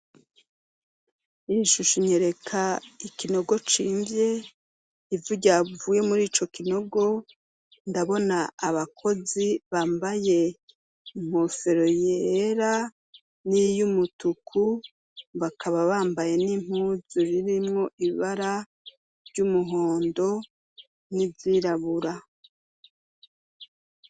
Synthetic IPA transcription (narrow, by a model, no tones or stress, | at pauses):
iɾiʃuʃuɲeɾe̞kʰaikino̞ɡo̞t͡ʃḭːmbje̞ | ivuɟavuːje̞muɾiːt͡ʃo̞kino̞ɡo̞ | ndaβo̞naːβakʰo̞ziβaːmbaje̞ | m̥ofe̞ɾo̞jeɾa | nijumutukʰu | βakʰaβaβaːmbaje̞nim̥huːzuɾiɾimŋo̞ʔiβaɾa | ɾɟumuɦo̞ːndo̞ | niziɾaβuɾa